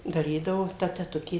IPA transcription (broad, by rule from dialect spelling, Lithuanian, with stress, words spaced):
dɐˈrʲiːdɐʋoː ˈtɐ tʲɛˈtʊkʲeː